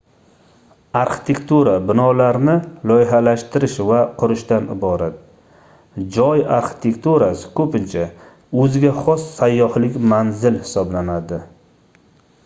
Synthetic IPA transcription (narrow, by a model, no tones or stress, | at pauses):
aɾχɪ̥t̪ʰe̞kt̪uɾabɪnɒlaɾnɪlˠɒjɪɦalaʃt̪ʰɪɾɪʃvaqʰʊɾɪʃt̪anɪ̰bɒɾat̪̚ | d͡ʒɒjaɾχɪ̥t̪ʰe̞kt̪uɾasɪ̥kʰɵpɪnt͡ʃʰa | ɵzɪɡʲaχɒsːajːɒhlɪkʲmanzɪlhɪ̥sɒblanad̪ɪ